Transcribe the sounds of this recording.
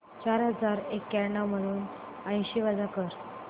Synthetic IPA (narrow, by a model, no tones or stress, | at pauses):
t͡ɕaɾɦəd͡zaɾekːɛɾɳaməɽuːn | ə̃j̃ɕiʋad͡zakəɾ